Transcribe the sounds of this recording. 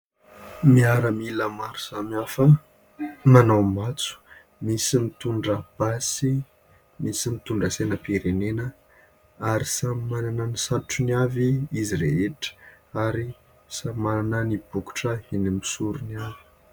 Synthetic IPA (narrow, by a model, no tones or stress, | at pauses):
miaɾəmiləmaɾuz̥amafə | manawmat͡su̥ | misimit̪uɳɖ͡ʐəb̥asi | misimit̪uɳɖ͡ʐəsenəpiɾenenə | aɾisammananənisauʈ͡ʂuniaviiziɾḛɦeʈ͡ʂə̥ | aɾi | samananənib̥uku̥ʈ͡ʂəhinimisuɾuniavi̥